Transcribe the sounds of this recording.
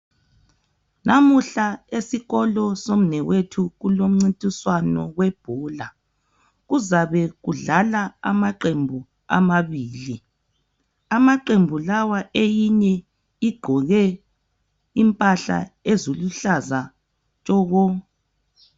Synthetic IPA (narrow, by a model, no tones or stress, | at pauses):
nʔamuɬaesiɣɔlɔsom̩nɛwetʰuɣulom̩ŋ͡ǀintʼiswanɔ̰ɣwɛb̥ʱɔːla | ɣuzaβɛɣuɮalaa̰maǃembʱu | a̰maβiːli | amaǃembʱulawaʔejiɲɛ | iɡ͡ǃʱɔɣɛ | impʼaɬa̰ezuluɬaza | t͡ʃʼɔːɣɔ